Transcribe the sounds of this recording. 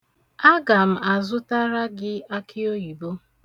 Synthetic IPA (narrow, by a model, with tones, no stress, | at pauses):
a˦ɡa˨m̩˨a˨zʊ˦ta˦ɾa˦ɡɪ˦a˦kʰɪ˦o˦ji˨bo˦